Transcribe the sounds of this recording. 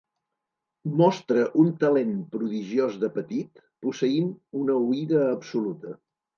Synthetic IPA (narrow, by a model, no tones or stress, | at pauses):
mɔst̪ɾəʔunt̪əlenpɾuðiʒiozðəpət̪it̪ | pusəinunəuiðəːpsulut̪ə